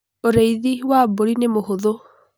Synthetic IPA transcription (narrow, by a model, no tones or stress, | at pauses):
oɾeiðiwaboɾinemohoðo